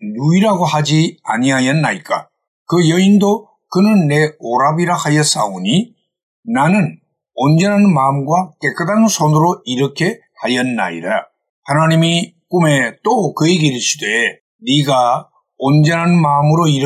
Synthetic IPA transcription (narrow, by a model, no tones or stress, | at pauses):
nuiɾaɡohad͡ʑia̰ɲiajʌnːaik͈a̰ | kɯjʌindo | kɯnɯnːe̞oɾabiɾahajʌs͈a̰oɲi | nanɯn | ond͡ʑʌnɦanmamɡwak͈e̞k͈ɯdansʰonɯɾoiɾʌkʰe̞ | hajʌnːa̰ḭɾa | hanaɲimi | k͈ume̞t͈okɯeɡeɾiɕʰide | niɡa | ond͡ʑʌnɦanmamɯɾoiɾ